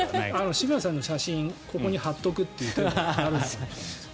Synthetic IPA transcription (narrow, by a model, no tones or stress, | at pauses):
ano̞ɕimiãs̬ãnːo̞ɕaɕĩŋkʰo̞ko̞ɲ̟ihat̪ːo̞kɯ̟t̪ːe̞jɯ̟t̪oaɾɯ̟̃ns